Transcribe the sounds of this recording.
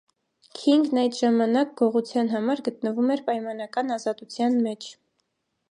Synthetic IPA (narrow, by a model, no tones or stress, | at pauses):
kʰiŋɡnɑjd̪ʒɑmɑnɑk̚ɡɔʁut͡sʰjɑn̪ɦɑmɑɾɡət̪nəvumɛɾpɑjmɑnɑkɑnɑzɑt̪ut͡sʰjɑnmɛt͡ʃʰ